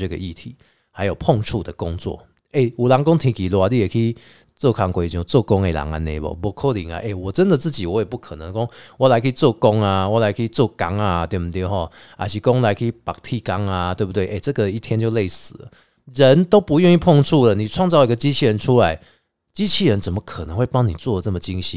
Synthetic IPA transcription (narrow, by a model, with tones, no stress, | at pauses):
ə˥˧ɡə̰˨ʔi˥˨t̪ʰi˨˦ | ha˧˦jo˨˩ʊpʰɔ˥˧ŋʈ͡ʂʰu˥˧d̪ə˨˩kɔ˦˥ŋt͡swɔ̰˥˨ | e˥˩u˨˩la˨˦ŋkɔ˥˦ŋt̪ʰi˧˦ki˨˩la˧˦li˥˧˨kʰi˧˥i˨ | t͡sɔ˥˧˩kʰa˨˩ŋkwe˨˩t͡ɕjɔ˧˩t͡sɔ˥˧kɔ˦˥ŋe˨la̰˨˦ŋa̰˨nḛ̃˨˩bɔ̰˨bɔ˧˦kʰo˥˦lḭ˨˦ŋa̰˨ʔe˨˩wɔ˨˩t͡sə˦nd̪ə˨t͡sɹ̩˥˩t͡ɕi˨wɔ˨˦jɛ˨˩pu˥˩kʰə˨˩nə˧˦ŋkɔ˦ŋwɔ˧˥˩la˧˦ɪkʰə˧˥i˨t͡sɔ˥˧kɔ˦˥ŋa˨wɔ˧˩la˧˦ɪkʰə˧˥i˨t͡sɔ˥˩ka˦ŋa˨t̪we˥˧ɪbə˨nt̪jɔ˥˧˩ɦɔ˥˩ | a̰˧˩ɕʰi˨˩kɔ˦ŋla˧˥ɪkʰə˧˥i˨˩pa˨˩k̚t̪ʰi˥˧˩ka˦ŋa˨t̪we˥˧bu˧˩t̪we˥˩ʔe˥˧˩t͡sɤ˥˧˨ɡə˨i˥˩t̪ʰjɛ˦nt͡ɕjo˥˧le˥˩ɪsɹ̩˨˩lə̰˦ | ɻə˨˦nt̪o˥ʊpu˧˦jɥɛ˥˧ni˥˧pʰɔ˥˧ŋt͡sʰu˥˩lə˨˩nĩ˨˩t͡sʰwɑ˥˧ŋt͡sɑ˥˩ʊi˧ɡə˨˧t͡ɕi˦˥t͡ɕʰi˥˧ɻə˧˦nt͡sʰu˦˥la˨˦ɪ | t͡ɕi˦˥t͡ɕʰi˥˨ɻə˧˦nt͡sə˨˩mə˦kʰə˨˩nə˧˦ŋwe˥˩ɪpa˦˥ŋnḭ˨˩t͡swɔ˥˩˨də˨˩nə˥˩mə˨t͡ɕi˦˥ŋɕi˦